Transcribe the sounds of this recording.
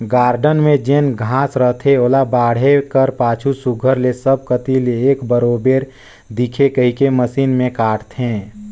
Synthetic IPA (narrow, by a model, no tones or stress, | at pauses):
ɡaːɾɖənmẽd͡ʒenɡʱãːsɾəɦt̪ʰeoːlabaːɽ̤ekəɾpaːt͡ʃʰusuɡʱəɾlesəb̚kət̪ileeːkbəɾoːbeːɾ | d̪ikʰekəɦikeməsiːnmẽkaːʈt̪ʰɦẽː